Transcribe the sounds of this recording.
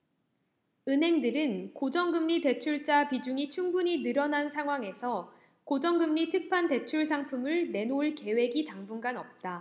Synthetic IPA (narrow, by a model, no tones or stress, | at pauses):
ɯnɦe̞ŋdɯɾɯnkod͡ʑʌŋɡɯmːite̞t͡ɕʰuɭt͡ɕ͈apid͡ʑuŋit͡ɕʰuŋbuɲinɯɾʌnansʰaŋɦwaŋe̞sʰʌ | kod͡ʑʌŋɡɯmːitʰɯk̚pʰante̞t͡ɕʰuɭs̬ʰaŋpʰumɯɭne̞noɭke̞we̞ɡitaŋbunɡanʌp̚t͈a